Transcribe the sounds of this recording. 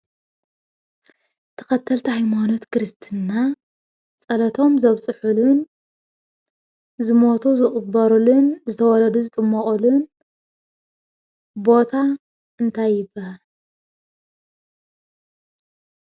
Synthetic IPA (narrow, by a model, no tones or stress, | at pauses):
t̪ʰɐ̥xɐt̪ʰːɐlt̪ʰihajmano̞t̪kʰɾɨst̪ʰɨnːa | t͡sʼɐlɐt̪ʰo̞mzɐβsʼɨħulun | zɨmo̞t̪ʰuzɨχʼɨbɐɾulunzɨt̪ʰɐwɔlɐd̪uzɨt̪ʼɨmːɐχʼulun | bo̞t̪ʰa | ʔɨnt̪ʰajːɪbːahal